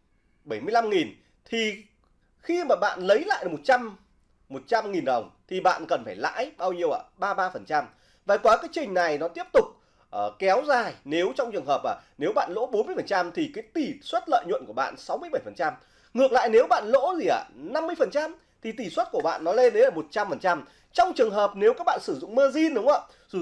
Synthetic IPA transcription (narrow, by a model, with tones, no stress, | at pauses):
ɓə˧˩jmɨ˧əjla˧mŋi˨˩n | t̪ʰi˨˩ | xi˧maː˨˩ɓa̰ː˧˨nlə˨˦jla̰ː˧˨jʔmo˨˩t̚t͡ɕa˧m | mo˨˩t̚t͡ɕa˧mŋi˨˩nɗə˨˩wŋ͡mt̪ʰi˨˩ɓa̰ː˧˨nkə˨˩nfaː˧˩jla̰ː˧˥jɓaː˧wɲi˧əwʔa̰ː˧˩ɓaː˧ɓaː˧fə˨˩nt͡ɕa˧m | vaː˨˩kwaː˨˦kaː˨˦jt͡ɕï˨˩ŋ̟na˨˩jnɔ˨˦t̪i˦˥əp̚t̪ʊ˨˩k͡p̚ | ʔːkɛ˨˦wzaː˨˩jne˨˦wt͡ɕɔ˧wŋ͡mt͡ɕɨ˨˩əŋɦəː˨˩p̚ʔaː˨˩ne˨˦wɓa̰ː˧˨nlo̰˧˥ɓo˨˦nmɨ˧əjfə˨˩nt͡ɕa˧mt̪ʰi˨˩kaː˨˦jt̪i˨˩swə˦˥t̚lə̰ː˧˨jɲw̰nku˧˩əɓa̰ː˧˨nsa˨˦wmɨ˧əjɓə˧˩jfə˨˩nt͡ɕa˧m | ŋɨ˨˩ək̚la̰ː˧˨jne˨˦wɓa̰ː˧˨nlo̰˧˥zi˨˩ʔa̰ː˧˩na˧mːɨ˧əjfə˨˩nt͡ɕa˧m | t̪ʰi˨˩t̪i˧˨˩swə˦˥t̚ku˧˩əɓa̰ː˧˨nːɔ˨˦le˧nɗə˨˦laː˨˩mo˨˩t̚t͡ɕa˧mfə˨˩nt͡ɕa˧m | t͡ɕɔ˧wŋ͡mt͡ɕɨ˨˩əŋɦəː˨˩p̚ne˨˦wkaː˦˥k̚ɓa̰ː˧˨nsɨ˧˩zʊ̰˧˨ŋ͡mmɨ˧əzi˧nɗʊ˨˦ŋ͡mʔə̰˧˨˧